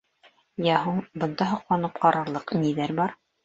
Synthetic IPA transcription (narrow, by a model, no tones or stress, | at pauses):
jæɦuɴbɤ̆nd̪ɑɦŏqlˠɑnɤpqɑɾɑɾlˠɤqniðæɾbɑɾ